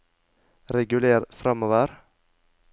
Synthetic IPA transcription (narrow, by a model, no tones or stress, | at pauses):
ɾɛɡʉleːɾfɾɑmoːʋəɾ